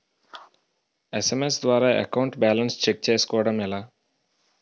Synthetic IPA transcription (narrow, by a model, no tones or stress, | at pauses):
esemes̬d̪ʋaːɾaːʔḛkɐwɳʈbaːlɐnst͡ʃek̚t͡ʃeːsu̥kɔːʋɐɽɐmilaː